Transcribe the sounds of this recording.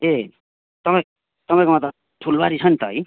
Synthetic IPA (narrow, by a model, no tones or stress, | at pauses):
e | t̪ʌpaj̃ | t̪ʌpãj̃komãt̪ʌ | ʈʰulbaɾit͡sʰʌnt̪ʌʌj